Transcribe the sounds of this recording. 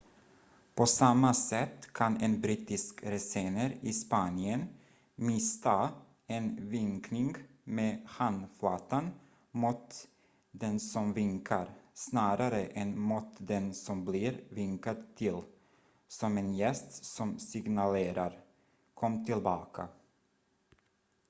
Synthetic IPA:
pʰɔsamːasɛt̪ːkʰanɛnbɾiːt̪ɪskɾɛseːnəɾɪspanjən | mɪst̪ʰa | ɛnvɪŋknɪŋɡmeːhand̪flɑːt̪ːan | muːt̪ | d̪ɛnsɔmvɪŋkʰaɾsnɑːɾʔaɾəʔɛnmut̪d̪ɛnsɔmblɪɾvɪŋkad̪t̪ʰːɪl | sɔmɛnjɛst̪sɔmsɪɡnaleːɾʔaɾ | kʰɔmːt̪ʰɪlbɑːkʰa̰

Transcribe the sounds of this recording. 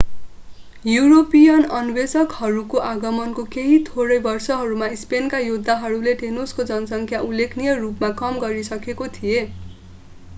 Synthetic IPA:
juɾopijʌnʌnbesʌkhʌɾukoʔaɡʌmʌnkokeɦit̪ʰoɾʌjbʌrsʌɦʌɾumaispenkajud̪ʱːaɦʌɾuleʈenoskod͡zʌnʌsʌŋkʰjaulːekʰnijʌrupmakʌmɡʌɾisʌkekot̪ʰije

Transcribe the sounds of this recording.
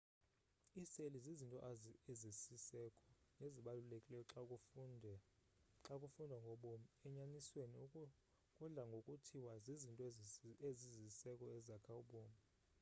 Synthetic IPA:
iselizizintʼɔezisisɛkʼɔneziɓalulekʼilɛjɔǁ | ǁakʼufundʱwaŋɡʱɔɓomiɛɲanisweni | kʼuɮaŋɡʱokʼutʰiwazizintʼɔezizisɛkʼɔɛzakʰauɓoːmi

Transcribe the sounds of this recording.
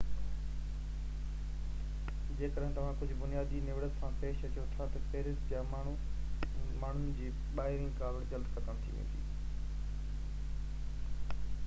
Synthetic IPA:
d͡ʑeːkəɗɦɪ̃t̪ɐʋ̤ãkʊd͡ʑʱʊ̆bʊnijaːd̪inɪʋɽət̪sãpeːʃɐt͡ɕjot̪ʰat̪ɐfeːɾɪsd͡ʑa | maːɳ̤ʊnɪ̆d͡ʑiː | ɓaːɦɪɾɪ̃ŋkaːbɪld͡ʑɐld̪kɐkəɽ̃ɪt̪ʰḭʋḛt̪ḭː

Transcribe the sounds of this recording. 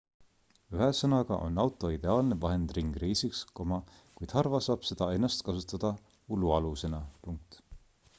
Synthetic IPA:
yɦesɤnɑɡ̥ɑ̰ʔo̞̰nːɑwt̪ˑo̞id̪e̞ɑːlnevɑɦe̞nd̪riŋɡ̥ɾijsiksko̞mɑ | kujd̪̥hɑrvɑsɑːb̥se̞d̪̥ɑe̞nːɑst̪kɑsut̪ːˑɑd̪̥ɑ | uluɑluse̞nɑpuŋk̚t̪

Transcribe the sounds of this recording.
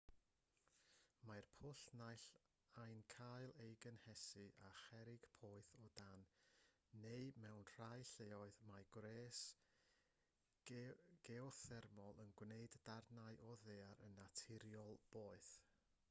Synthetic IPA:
marpʰʊɬnajɬ | ajnkʰaɨlˠejɡənhɛsɨʔaχɛɾɪɡ̥pʰoːɨθɔdanː | ejmɛwnr̥ajɬeːɔɨðmaɡwreːs | ɡ̥eɔθɛrmɔlˠənɡwneɨdːarnaɨʔɔðeːaɾənːatʰɪɾjɔlˠb̥oːɨθ

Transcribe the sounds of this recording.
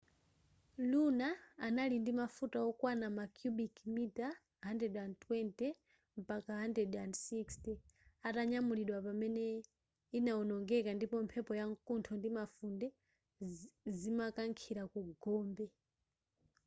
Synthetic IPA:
lunaːnalindimafutaɔkwanamakjuɓikmita | ɦandɾɛdandtwɛntɛ | m̩pakaɦandɾɛdandsikstɛataɲamuliɗwapamɛnɛ | inaɔnɔŋɡɛkandipɔmpʰɛpɔjaŋkuntʰɔndimafundɛ | zimakaŋkʰiɾakuɡɔːmbɛ

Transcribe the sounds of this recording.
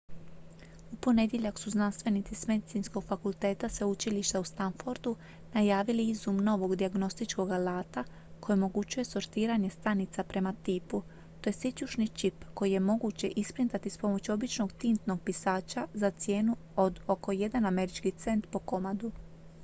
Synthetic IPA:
upo̞ne̞d̪jeʎaksuznanst̪ʋe̞nit̪sisme̞d̪it̪insko̞ɡ̥fakulˠt̪e̞ːt̪asʋeut͡ʃiliʃt̪aust̪anfoɾd̪u | najaːʋiliizumno̞ʋo̞ɡd̪iaɡno̞st̪it͡ʃko̞ɡalaːt̪a | kojeomo̞ɡut͡ɕuje̞so̞ɾt̪iːɾaɲe̞st̪anit̪sapɾe̞mat̪iːpu | t̪o̞je̞sit͡ɕuʃnit͡ʃipko̞jije̞mo̞ɡut͡ɕe̞ʔispɾint̪at̪ispo̞mo̞t͡ɕuo̞bit͡ʃno̞ɡt̪int̪no̞ɡ̚pisaːt͡ɕazat̪sje̞ːnuo̞d̪oko̞je̞d̪aname̞ɾit͡ʃkit̪se̞nt̪po̞ko̞mad̪u

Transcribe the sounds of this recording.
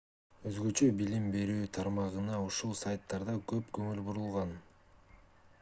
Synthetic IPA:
øzɡø̞t͡ʃø̞bilimbe̞ɾyːt̪ʰɑɾmɑʁɯnɑuʃulˠsajt̪ːɑɾd̪ɑkø̞pkɵŋylbuɾulˠʁɑn

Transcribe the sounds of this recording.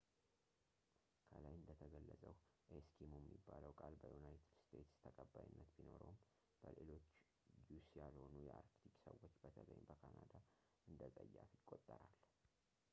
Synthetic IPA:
kʰəlajɨnd̪ət̪ʰəɡəlːəsʼəwʔeskʰimumːibːaləwkʼalbəjunajt̪ʰɨd̪st̪ʰe̞t̪st̪ʰəkʼəbːajɪnːət̪bino̞ɾo̰m | b̥əlelo̞t͡ʃː | jusijalho̞nujɛʔaɾkt̪ʰikʼsəwo̞t͡ʃːbət̪ʰələ̰ɲbəkʰanad̪a | ʔɨnd̪əzʼəjːafikʼo̞t̪ʼːəɾalː

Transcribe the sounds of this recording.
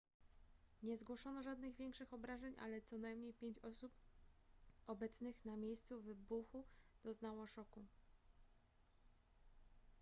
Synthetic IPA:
ɲɛzɡwɔʂɔnɔʐad̪nɘɣvʲjɛŋkʂɘxɔbɾaʐɛɲʔa̰lɛt̪sɔnajmɲejpʲjeɲt͡ɕɔsup | ɔbɛt̪snɘxnamʲjejst̪suvɘbuxud̪̥ɔznawɔʂɔku

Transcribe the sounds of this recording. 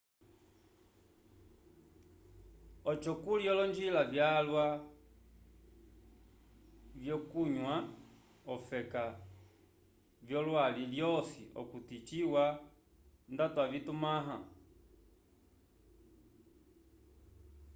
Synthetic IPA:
ɔt͡ʃɔkuliɔlɔɲd͡ʒilavjalwa | vjɔkuɲwa | ɔfɛka | vjɔlwaliljɔsḭʔɔ̰kutit͡ʃiwa | ndatwavitumaɦa

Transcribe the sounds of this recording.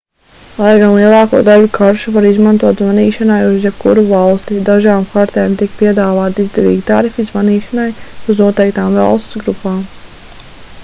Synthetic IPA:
lˠajɡanlˠiɛlˠɑːkṵɔd̪alukʰaɾʃuvaɾizmant̪uɔt̪zvaniːʃanajuzjɛb̚kṵɾuvalˠst̪id̪aʒaːmkaɾt̪eːmt̪ik̚piɛd̪aːvaːt̪izd̪ɛɾḭːɡit̪aɾifizvaniːʃanajuznuɔt̪ɛjk̚t̪aːmvɑ̰lˠst̪sɡɾupaːm

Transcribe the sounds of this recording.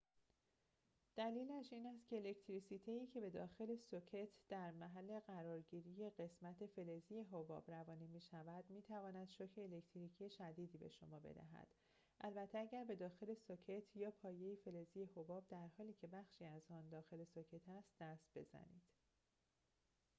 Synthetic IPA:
d̪̥æliːlæʃiːnæst̪cʰe̞ːle̞ct̪ʰɾisiːt̪ʰejiːcʰe̞be̞d̪ɒːxe̞le̞socʰet̪ʰd̪̥æɾmæɦælːe̞ɢæɾɒːɾɟiːɾiːje̞ɢe̞smæt̪ʰe̞fe̞lezije̞ɦobɒ̰ːbɾævɒːniːmiːʃævæd̪miːt̪ʰævɒːnæd̪̥ʃocʰeːlect̪ʰɾiːcʰijeʃæd̪iːd̪iːbe̞̰ʃo̞mɒːbe̞̰d̪æ̰ɦæ̰d̪̥ | ʔælbæt̪ʰːeæɟæɾbe̞d̪ɒːxe̞le̞socʰe̞t̪ʰjɒːpʰɒːje̞jefe̞lezije̞hobɒːb̚d̪æɾhɒːliːcʰe̞bæxʃiːæzɒːnd̪ɒːxe̞le̞socʰe̞t̪ʰæst̪̚d̪æst̪̚b̥e̞̰zæ̰nḭːd̪̥

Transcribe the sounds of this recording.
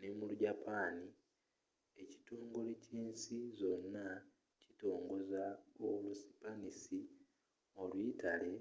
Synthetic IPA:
nemuluɟapʰaːni | e̞ci̥toːŋɡuleceːnsizo̞nːa | cito̞ːŋɡo̞zaolusi̥panisi | o̞lwiːtale̞

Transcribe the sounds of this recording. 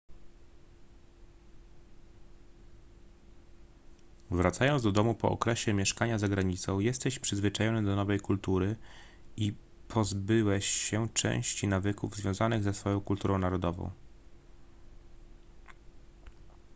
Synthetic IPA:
vɾat̪sajɔnzd̪ɔd̪ɔmupɔ̰ʔɔ̰kɾɛɕɛmʲjɛʂkaɲazaɡɾaɲit̪sɔ̃w̃jɛst̪ɛɕpʂɘzvɘt͡ʂajɔnɘd̪ɔnɔvɛjkult̪uɾɘ | i | pʰɔzbɘwɛɕɛt͡ʂɛ̰̃w̃ɕt͡ɕinavɘkuvzvʲjɔ̃w̃zanɘɣzɛsfɔjɔ̃w̃kult̪uɾɔ̃w̃naɾɔd̪ɔvɔ̰̃w̃

